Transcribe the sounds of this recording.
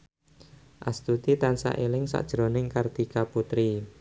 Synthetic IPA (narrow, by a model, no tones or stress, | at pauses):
ʔast̪ut̪it̪ansa̰ʔelɪŋsa̰ʔd̥ʒ̥ɾonɪŋkard̪̥i̤kaput̪ɾi